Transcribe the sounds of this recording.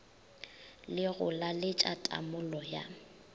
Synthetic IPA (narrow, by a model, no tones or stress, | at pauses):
lɪɣʊlalɪt͡ʃʼatʼa̰mʊlɔja̰